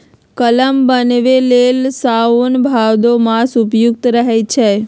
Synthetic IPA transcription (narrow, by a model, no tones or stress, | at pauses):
kələmbənʋelelsaunbʱawd̪omãsʊpjuk̚t̪ɾəɦet͡ʃʰe